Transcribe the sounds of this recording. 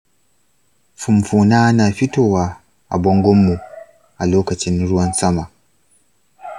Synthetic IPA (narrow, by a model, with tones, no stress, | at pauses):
fʊ˨mɸuː˨naː˦naː˨ɸɪ˦toː˦˨waː˦ | ʔa̰˨bɔ˦ŋɡʷɔ˦mːu˨ | ʔa˨loː˦kɐ˨t͡ʃɪ˦nɽʊ˦wɐ˦nsɐ˦ma˨